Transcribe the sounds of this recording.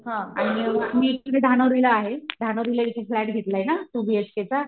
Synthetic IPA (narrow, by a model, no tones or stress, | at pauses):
ɦãaɽ̃imiːuned̪ʱanoɾilaaɦed̪ʱanoɾiləit͡ɕʰeflæʈɡʱet̪laɦjnat̪ubiesket͡sa